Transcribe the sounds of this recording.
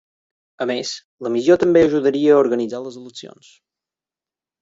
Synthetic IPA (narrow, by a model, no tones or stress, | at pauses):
əmes | ləmizjot̪əmbeəʒuðəɾiəːuɾɣənid͡zaləzələksio̰ns